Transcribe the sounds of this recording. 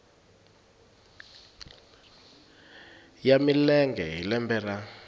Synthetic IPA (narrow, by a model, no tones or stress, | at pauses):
jamilɛŋɡɛɦilɛmbɛːra